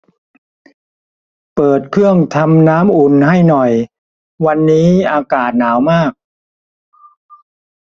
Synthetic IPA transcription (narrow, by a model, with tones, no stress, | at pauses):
pɤː˨˩t̪̚kʰɯ˥˩əŋt̪ʰa˧mnaː˦˥mʔu˨˩nha˥˩jnɔ˨˩j | wa˧nːiː˦˥ʔaː˧kaː˨˩t̪̚naː˩˦wmaː˥˩k̚